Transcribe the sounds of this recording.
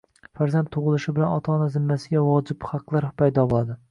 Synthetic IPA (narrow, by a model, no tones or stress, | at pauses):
faɾzant̪̚ʰoʁɨlˠɪʃɪbɪlanɒt̪ʰaːnazɪmːasɪɡʲavɒd͡ʒɪbhɑqlˠaɾpʰajd̪ɒbolˠad̪ɪ